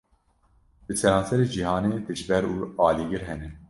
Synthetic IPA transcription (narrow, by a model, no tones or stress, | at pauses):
bɨsɛɾɑ̃ːnsɛɾeːd͡ʒiɦɑːneːd̪ɨʒbɛɾuːɑːliɡɨɾɦɛnɛn